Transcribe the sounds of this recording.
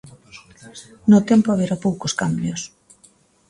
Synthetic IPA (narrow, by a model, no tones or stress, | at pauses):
not̪empoaβeɾapowkoskambjos